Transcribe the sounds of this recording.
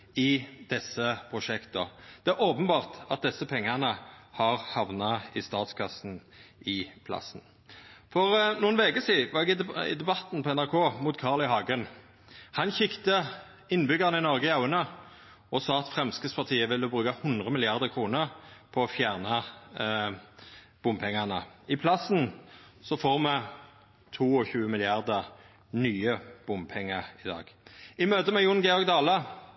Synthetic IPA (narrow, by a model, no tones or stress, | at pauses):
ɪd̪̥ɛsːəpʰʁʊʂɛkt̪ɔd̪̥ɛæːɾoːpənbɑːʁt̪ɑt̪̚d̪ɛsːəpʰɛŋːəʁnəhɑʁhɑʋnɑɪst̪ɑːt̪skʰɑsn̩ | ɪpʰlɑ̰sn̩ | fɔʁnuːənʋɛɡəsiːʋɑɛɡɪd̪ɪ̰d̪ɛbɑt̪n̩pʰɔɛnæʁkʰoːmuːt̪kʰɑːʁlɪhɑːɡən | hɑnçɪkt̪ə | ɪnːbʏɡɑʁənɪnɔʁɡəɑʉənə | ɔsɑːɑt̪fʁɛmskəspʰɑʁt̪ʰiːəʋɪlːəbʁʉːkɑhʊnd̪ʁəmɪlɪɑʁd̪əʁkʰʁuːnəʁpʰɔɔfjæːʁnɑ | b̥ʊmpʰɛŋːɑʁnəɪpʰlɑsnsɔfoːʁmɛ | t̪ʰuːɔçʉːəmɪlɪɑʁd̪əʁ | nyːəb̥ʊmpʰɛŋːəʁɪd̪ɑ̰ːɡ̥ɪmøːt̪əmɛjʊnɡɛɔʁɡ̚d̪ɑːlə